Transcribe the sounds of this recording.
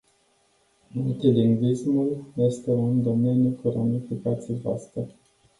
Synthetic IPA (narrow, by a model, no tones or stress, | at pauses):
mult̪iliŋɡwismuljest̪elaund̪o̞me̞njukuɾonifikat̪sievoa̰st̪ɾe